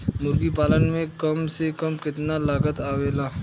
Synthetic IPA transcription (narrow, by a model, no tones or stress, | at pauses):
mʊɾɡipaːlənmẽkɐmsekɐmkɪt̪nalaːɡət̪aːʋeːlaː